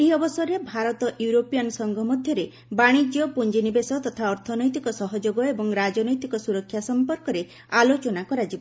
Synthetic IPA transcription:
iɔbɔsɔɾebʱaɾɔt̪ɔʔjuɾopijɔnsɔŋɡʱɔmɔd̪ʱjɔɾe | baɽ̃id͡ʒjɔpund͡ʒinibesɔt̪ɔt̪ʰaɔɾt̪ʰɔnɔjt̪ikɔsɔɦɔd͡ʒoɡɔebɔŋɾad͡ʒɔnɔjt̪ikɔsuɾɔkʰːjasɔmpɔɾkɔɾe | alot͡ʃɔnakɔɾad͡ʒibɔ

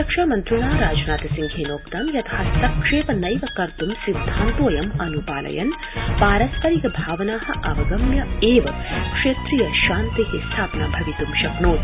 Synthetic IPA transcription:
ɐkʂaːmɐnt̪ɾunaːɾaːd͡ʒnaːt̪ɐsiŋɡʱeːnoːkt̪ɐmjɐt̪ʰɐɦɐst̪ɐkʂeːpɐnɐjʋɐkɐɾt̪umsid̪ʱːaːnt̪oːjɐmɐnupaːlʔɐ̰jɐ̰n | paːɾɐsk̪ɐɾikɐbʱaːʋɐnaːɦɐ̆ʔɐʋɐɡɐmjɐeːʋɐkʂeːt̪ɾijɐʃaːnt̪ikest̪ʰaːpnaːbʱɐʋit̪umʃɐknoːt̪

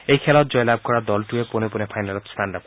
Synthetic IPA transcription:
ejkʰelɔt̪̚d͡ʒɔjlab̚kɔɾad̪ɔlʈueponeponepʰajnalɔt̪sʈanɖap̚k

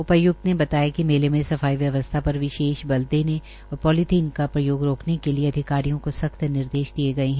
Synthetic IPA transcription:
ʊpɐjʊk̚t̪nebɐt̪aːjakimeːɾemẽsɐfaːiʋjɐʋəst̪ʰapɐɾʋɪʃeːʃbɐld̪eːnẽ | ɔːɾpɔːlɪt̪ʰiːnkapɾɐjoːɡɾoːknekelieɐd̪ʱɪkaːɾijõkosɐxt̪nɪɾd̪eːʃd̪ieɡɐeɦɛ̃

